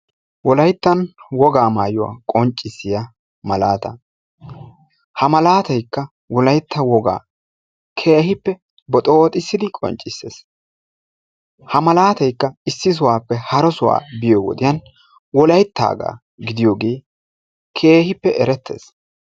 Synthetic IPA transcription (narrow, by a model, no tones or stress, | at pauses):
wɔlɐjt̪ːɐnwɔɡaːmaːjʊwa̰ːkʼɔnt͡ʃʼːɪsːɪja | mɐlaːt̪ɐ̰ | hɐmɐlaːt̪ɐjkːɐ | wɔlɐjt̪ːɐwɔɡa̰ː | kʰe̞ːhɪpːɛ | bɔt̪ʼoːt̪ʼɪsːɪd̪ɪkʼɔ̰nt͡ʃʼːɪsːḛːs | hɐmɐlaːt̪ɐjkːɐɪsːɪs̬ʊwaːpːɛhɐɾɔsʊwa̰ːbɪjoːwɔ̰d̪ɪjɐn | wɔlɐjt̪ːa̰ːɡa̰ː | ɡɪd̪ɪjoːɡe̞ː | kʰe̞ːhɪpːɛʔɛɾɛt̪ʰːe̞̰ːs